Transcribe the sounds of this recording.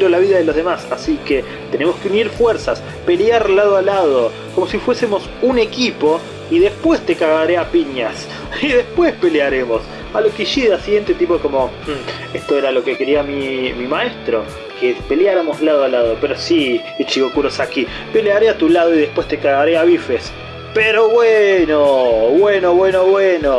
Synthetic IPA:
ɾolaβiðaðelo̞zð̞emasasike | t̪enemoskeuniɾfweɾsas | pe̞ljaɾlað̞oalað̞o | ko̞mo̞sifwesemo̞s | une̞kipo̞ | iðe̞spwe̞st̪ekaɣaɾeapiɲas | iðe̞hpwespe̞leaɾe̞mo̞s | alokiʃiðasiɣje̞nt̪et̪ipoko̞mo̞ | est̪oeɾalo̞kekeɾiamimimae̞st̪ɾo̞̰ | kepe̞ljaɾamozlaðoalað̞opeɾo̞siː | t͡ʃiɣokuɾosaki | pe̞leaɾeat̪ulaðoiðehpwe̞st̪ekaɣaɾeaβifes | peɾo̞βwenoβwenoβwe̞noβweno

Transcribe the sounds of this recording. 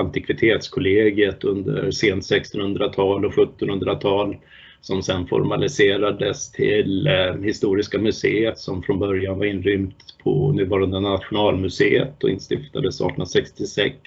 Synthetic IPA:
ant̪ɪkʰvɪt̪ʰeːt̪skʰʊleːɡət̪ɵnd̪ə̰ɾseːnt̪sɛkst̪ɔnhɵnd̪ɾat̪ʰɑːlɔɧɵt̪ːɔnhɵnd̪ɾat̪ʰɑːl | sɔmsɛnfɔ̰ɾmalɪseːɾad̪əst̪ʰɪlhɪst̪uːɾɪskamɵseːət̪sɔmfɾɔnbœɾjanvaɾɪnːɾʏmt̪pʰɔ̰nʉ̟ːvɑːɾand̪ənat̪ɧʊnɑːlmɵseːə̰t̪ɔɪ̰nst̪ɪft̪ad̪əsɑ̰ːʈʰːnasɛkst̪ɪsɛks

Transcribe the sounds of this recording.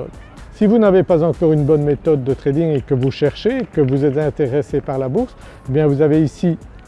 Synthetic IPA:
ɔ̰d̪ | sivunavepazɑ̃kɔʁynbɔnmet̪ɔd̪ːət̪χed̪iŋekəvuʃɛʁʃekəvuzɛt̪zɛ̃t̪eʁɛsepaʁlabuʁs | ebjɛ̃vuzaveisi

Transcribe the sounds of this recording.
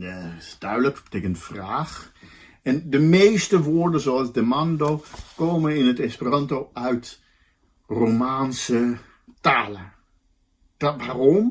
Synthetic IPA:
d̥œɥdləkbəteːkəntfraːx | ɛndəmeːstəʋoːɹdəzoalˠsdəmandoːkoːmənɪnətɛspirɑntoœɥt | romaːnsə | taːlə | d̥ʋaːrɔm

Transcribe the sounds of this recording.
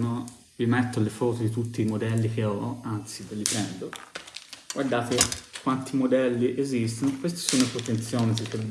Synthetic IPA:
no | vimɛt̪ːolːefɔːt̪od̪it̪ut̪ːiːmod̪ɛlːik̟eɔant̪sivelːipɾɛnd̪o | ɡ̥ward̪aːt̪ekːwant̪imod̪ɛlːiʔezist̪onokwest̪e̥soːnopɾot̪ent̪sːjɔːnid̪ikeb

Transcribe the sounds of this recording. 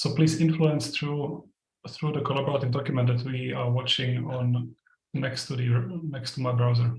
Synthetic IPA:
sopliːsɪ̃nfluɛ̃nsθɹuː | θɹuːdəkʰɔlabɔɹat̪ɪvdɔkjʊmɛ̃nt̪d̪ɛt̪ʰwiːawɔt͡ʃɪ̃ŋɔ̃n | nɛkstudinɛkst̪ʰumajbɹawzəɹ

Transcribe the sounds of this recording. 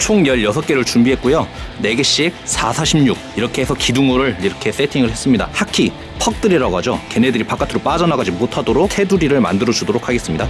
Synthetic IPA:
t͡ɕʰoŋɲjʌʎjʌsʰʌk͈e̞ɾɯɭt͡ɕumbiɦet̚k͈ojone̞ɡeɕ͈ik̚sʰasʰaɕʰimɲuk̚iɾʌkʰeesʰʌkiduŋoɾɯɭiɾʌkʰe̞s͈e̞tʰiŋɯɭhe̞s͈ɯmɲida̰hakʰi | pʰʌk̚t͈ɯɾiɾaɡad͡ʑoke̞ne̞dɯɾipak͈ʰatʰɯɾop͈ad͡ʑʌnaɡad͡ʑimotʰadoɾokhe̞duɾiɾɯɭma̰ndɯɾʌd͡ʑudoɾokʰaɡes͈ɯmɲida

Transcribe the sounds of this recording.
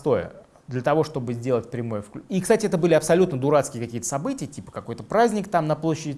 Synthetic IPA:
t̪o̞jə̰ | d̪lʲət̪ɐvo̞ʂt̪o̞bɨzʲdʲelˠətʲpɾʲɪmo̞jəfklʲikst̪atʲɪɛt̪əbɨlʲɪɐpsɐlʲut̪nəd̪ʊɾat̪skʲɪjəkɐkʲijət̪əsɐbɨtʲɪjətʲipə̥kɐko̞jt̪əpɾazʲnʲɪkt̪amnɐplˠo̞ɕːɪdʲɪ

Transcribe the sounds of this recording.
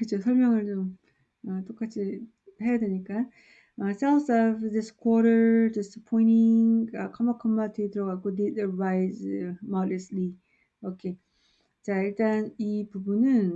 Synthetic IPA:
kɯt͡ɕʰosʰʌɭmjʌŋɯɭt͡ɕom | ʌt͈ok͈at͡ɕʰi | hejadeɲik͈a | ʌsʰaʊsʌvdiskʰwʌɾəɾdisə̥pʰɔiniŋʌkʰʌmʌkʰʌmmatʰitɯɾʌɡak͈odidʌvajzmʌdesli | okʰe | t͡ɕaiɭt͈anipubunɯn

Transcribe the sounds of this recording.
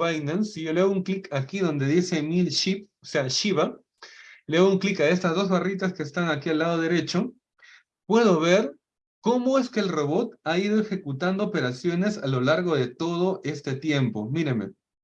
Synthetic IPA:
ajnansiʝo̞leouŋklikakiðo̞nd̪e̞ðise̞milʃiposeaʃiβa | leouŋklikae̞st̪azðo̞zβarit̪̬aske̞ːst̪aŋakialːað̞o̞ðe̞ɾe̞t͡ʃo | pwe̞ð̞o̞βe̞ɾ | ko̞mo̞e̞ske̞ːlro̞βo̞t̪̚aið̞o̞exe̞kut̪and̪oope̞ɾasjo̞ne̞salo̞laɾɣo̞ðe̞t̪o̞ð̞o̞ʔe̞st̪et̪je̞mpo̞miɾeme̞̰

